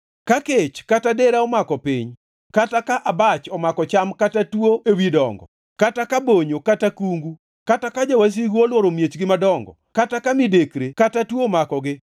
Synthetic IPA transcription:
kaket͡ʃkatadeɾaɔmakɔpɪɲ | katakaʔabat͡ʃɔmakɔt͡ʃamkatatwoʔewidɔŋɡɔ̰ | katakaboɲokatakuŋɡu | katakad͡ʒawas̬iɡuolwɔɾomjet͡ʃɡɪmadɔŋɡɔ̰ | katakamɪdekɾekatatwomakɔɡɪ

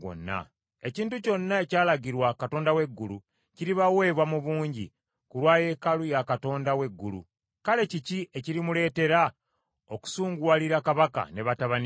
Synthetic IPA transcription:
o̰nːa̰ | e̞ciːntuco̞nːae̞caːlaɡiɾwakato̞ːndawe̞ɡːulu | ciɾiβawe̞ːβwamuβuːɲɟḭ | kuɾwaːje̞kalujakato̞ːndawe̞ɡːulṵ | kale̞cicie̞ciɾimule̞ːte̞ɾa | oku̥suːŋɡwaliɾakaβaka̰ne̞βataβani

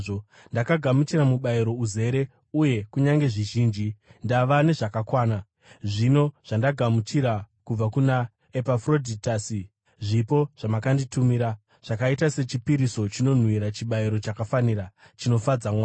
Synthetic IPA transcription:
o | ndakaɡʱamut͡ʃiramuɓaiɾo̞uze̞ɾe̞ | uje̞kuɲaŋɡe̞ʐiʒiːnd͡ʒindaʋane̞ʐakakwaːna | ʐino̞ʐ̥andaɡʱamut͡ʃiɾakub͡vakuna | epafro̞dʱitaːsi | ʐipo̞ʐ̥amakanditumiɾa | ʐ̥akaitase̞t͡ʃipiɾiso̞t͡ʃino̞n̤wiɾat͡ʃiɓaiɾo̞t͡ʃakafaniɾa | t͡ʃino̞fad͡zamwa

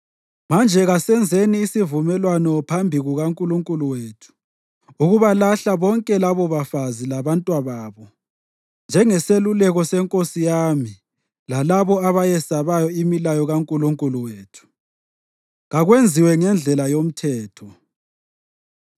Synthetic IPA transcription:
mand͡ʒʱɛɣasɛnd͡zʱeniːsivumɛlwanɔpʰambʱiɣuɣaŋkʼuluŋkʼuluwetʰu̥ | uɣuβalaɬaβɔŋkʼɛlaβɔβafazilaβantʼwaβaːβɔ | nd͡ʒʱɛŋɛselulɛɣɔsɛŋkʼosijami | lalaβɔaβajɛsaβajɔimilajɔɣaŋkʼuluŋkʼuluweːtʰu̥ | ɣaɣwend͡zʱiwɛŋɛnd͡ɮʱɛlajom̩tʰɛːtʰɔ

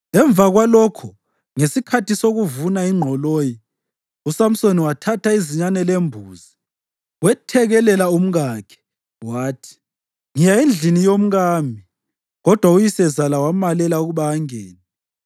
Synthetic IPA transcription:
lɛɱb̪vaɣwalɔkʰɔ | ŋesikʰatisoɣuvunaiŋ͡ǃʱɔloːji | usam̩soniwatʰataiziɲanɛlembʱuːzi | wɛtʰɛɣɛlɛlaum̩ɣaːkʰɛ̥ | waːtʰi̥ | ŋijaend͡ɮʱinijom̩ɣaːmbʱi | ɣɔd̥ʱwaujisɛzalawamalɛlauɣuβaːŋeːni

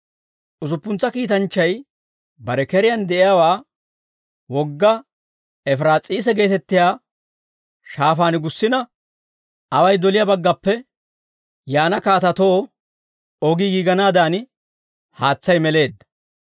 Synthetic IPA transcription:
ʔʊzʊpːʊnt͡sːɐkiːt̪ɐnt͡ʃːɐj | bɐɾɛkɛɾɪjɐnd̪ɛʔɪjaːwaː | wɔɡːɐ | ɛfɾaːt͡sʼiːs̬ɛɡe̞ːt̪ɛt̪ːɪjaː | ʃaːfaːnɪɡʊsːɪnɐ | ʔɐwɐjd̪ɔlɪjabɐɡːɐpːɛ | jaːnɐkaːt̪ɐt̪o̞ː | ɔɡiɡiɡɐnaːd̪aːn | haːt͡sːɐjmɛle̞ːd̪ːɐ̥

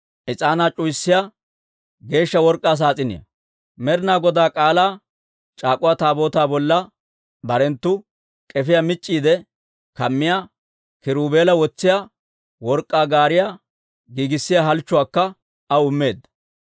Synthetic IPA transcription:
ʔɪt͡sʼaːnaːt͡ʃʼʊjsːɪja | ɡe̞ːʃːɐwɔɾkʼːaːs̬aːt͡sʼɪnɪ̰jɐ̰ | mɛɾɪnaːɡɔd̪aːkʼaːlaː | t͡ʃʼaːkʼʊwaːt̪aːbo̞ːt̪aːbɔlːɐ | bɐɾɛnt̪ːʊ | kʼɛfɪjaːmɪt͡ʃʼːiːd̪ɛ | kɐmːɪjaː | kɪɾuːbe̞ːlɐwɔt͡sːɪjaː | wɔɾkʼːaːɡaːɾɪja | ɡiːɡɪsːɪjaɦɐlt͡ʃːʊwaːkːɐ | ɐʊmːe̞ːd̪ːɐ̥

